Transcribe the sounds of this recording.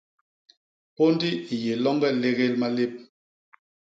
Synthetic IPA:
po˦n˦di˦˨je˨lɔ˦ŋɡɛ˦le˦ɣe˦lma˦le˦p̚

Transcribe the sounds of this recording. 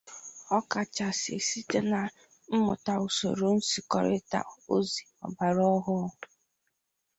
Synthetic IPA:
ɔ˦ka˨t͡ʃa˨sḛ˨si˦te˦na˨ | m̩˦mʊ̰˨ta˨ʊ˨so̰˨ɾo˨n̩˦si˨kɔ̰˨ɾɪ˦ta̰˨o˦zi˨ɔ̰˨ba˨ɾɔ˦ɦʊ˦

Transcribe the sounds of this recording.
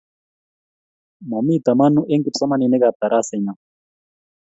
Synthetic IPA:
ma˨mi˦d̪a˨ma˦nu˦ʔɛ˦ŋki˦˨sa˦ma˦ni˨nɛ˦ɡa˨t̪a˨ɾa˦˨sɛ˨ɲa˨

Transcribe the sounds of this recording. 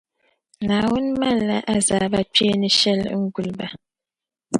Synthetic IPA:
ŋa˨wu˦nma˦lːa̰˨ʔa˨za˨ba˨pe˦ni˦ʃɛ˦˨lŋ̩˦ɡu˨lba˨

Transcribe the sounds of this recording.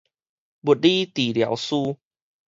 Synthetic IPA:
bu˨˩t̚li˦t̪i˨˩lja̰˨˦wsu˦

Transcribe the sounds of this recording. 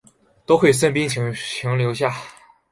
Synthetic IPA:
t̪o˥ʊxwe˥˩ɪʂ̬ə˥˩npi˥nt͡ɕʰi˧˥t͡ɕʰi˧˥ŋljo˧˥ʊɕja˥˩

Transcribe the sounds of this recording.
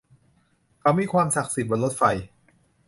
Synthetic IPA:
kʰa˧˥wmiː˧˩kʰwaː˧msa˨˩k̚si˨˩t̪̚bɔa˧nlo˦˥t̪̚fa˧j

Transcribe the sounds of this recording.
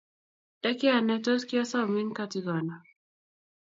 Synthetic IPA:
d̥a˦ki˦a˨nɛ˦tɔ˦ski˦a˦sa˦˨mi˦nka˦ti˦ɡɔ˨na˨

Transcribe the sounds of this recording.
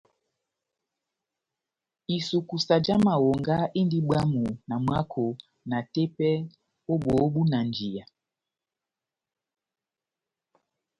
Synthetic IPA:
i˨su˨ku˨sa˨d͡ʒa˦ma˨wo˨ŋɡa˦ʔi˦ndi˦ɓwa˦mu˨na˨mwa˦kʰo˨ | na˨te˦pɛ˦ | o˦ɓo˨˦ɓu˦na˨nd͡ʒi˨ja˨

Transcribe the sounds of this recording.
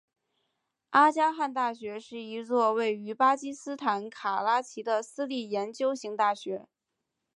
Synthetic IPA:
a˥t͡ɕja˥xa˥˧nt̪a˥˩ɕɥɛ˧˥ʂɻ̩˥˩i˧˥t͡swɔ˥˧we˥˩ɪy˧˥pa˥t͡ɕi˥sɹ̩˥t̪ʰa˧˥nkʰa˨˩la˥t͡ɕʰi˧˥d̪ə˧sɹ̩˥li˥˩jɛ˧˥nt͡ɕjo˥ʊɕi˧˥ŋt̪a˥˩ɕɥɛ˧˥

